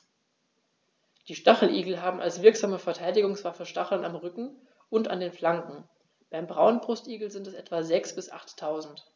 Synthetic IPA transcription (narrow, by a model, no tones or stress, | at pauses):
d̥iːʃtaχl̩ʔḭːɡl̩ɦaːbm̩ʔa̰lsv̥ɪɐkz̥aːməfɛɐtʰaɪdɪɡʊŋsv̥afɛʃtaχl̩namʁʏkŋ̩ | ʊnta̰ndeːnflaŋkŋ̩ | b̥aɪmbʁaʊənbʁʊstʔiːɡl̩zɪntɛsʔɛtv̥azɛksb̥ɪsʔa̰χtʰːaʊzn̩t